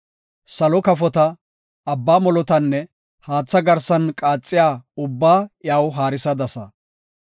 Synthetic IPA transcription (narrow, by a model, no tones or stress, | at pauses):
sɐlɔkɐfɔt̪ɐ | ɐbːaːmɔlɔt̪ɐnːɛ | haːt͡sːɐɡɐɾsɐnkʼaːt͡sʼːɪjaːʊbːaːjaːwɦaːɾɪsɐd̪ɐsɐ